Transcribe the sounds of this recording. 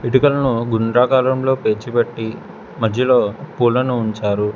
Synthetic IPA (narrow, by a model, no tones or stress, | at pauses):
iʈukɐlɐnuɡuɳɖɾaːkaːlɐmlo̞ːpe̞ːt͡ʃipeʈːi | mɐd̪ʱjɐloːpuːlɐnuːɲt͡ʃaːɾu